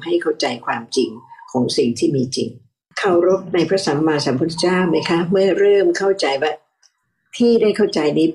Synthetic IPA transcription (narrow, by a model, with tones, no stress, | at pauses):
ha˥˩jkʰa˥˩wt͡ɕa˧jkʰwaː˧mt͡ɕi˧ŋkʰɔː˩˦ŋsi˨˩ŋt̪ʰiː˥˩miː˧t͡ɕḭ˧ŋ | kʰa˧˥˩wɾo˦˥p̚na˧jpʰɾa˦˥sa˩˦mːaː˧sa˩˦mpʰu˦˥t͡ɕaː˥˩wma˦˥jkʰa˦˥mɯ˥˩ɐɾɤː˥˩mkʰa˥˩wt͡ɕa˧jbaː˥˩ | t̪ʰiː˥˩daː˥˩jkʰa˥˩wt͡ɕa˧jniː˦˥